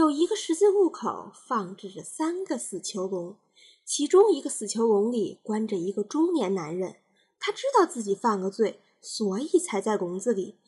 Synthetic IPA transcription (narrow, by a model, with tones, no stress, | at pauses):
jo˨˩ʊi˧˥ɡə˧ʂɻ̩˧˥t͡s̩˥˧u˥˩kʰo̰˨˩ʊfɑ˥˧ŋʈ͡ʂɻ̩˥˩ʈ͡ʂə˩sa˥nɡə˧sɹ̩˨˩t͡ɕʰjo˧˥ʊlʊ˧˥ŋ | t͡ɕʰi˧˥ʈ͡ʂʊ˥ŋi˧˥ɡə˧sɹ̩˨˩t͡ɕʰjo˧˥ʊlʊ˧˥ŋli˨˩kwa˥nʈ͡ʂə˨i˧˥ɡə˧ʈ͡ʂʊ˥ŋnjɛ˧˥nna˧˥nɻə˧˩n | t̪ʰa˥ʈ͡ʂɻ̩˥t̪ɑ˥˧ʊt͡sɹ̩˥˩t͡ɕi˨˩fɑ˥˩ŋɡə˧t͡swe˥˩ɪ | swɔ˧˥i˨˩t͡sʰa˧˥ɪt͡sa˥˩ɪkʊ˧˥ŋd͡zɹ̩˧lḭ˨˩˦